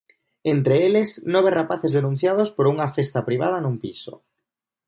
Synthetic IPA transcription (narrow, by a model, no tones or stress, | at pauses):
ent̪ɾeelesnoβerapaθezðenũn̟θjað̞ospoɾuŋafest̪apɾiβað̞anũmpiso̰